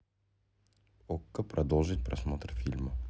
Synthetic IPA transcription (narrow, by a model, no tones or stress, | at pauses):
okːəpɾʔɐd̪olˠʐɨtʲpɾɐsmot̪rfʲilʲmə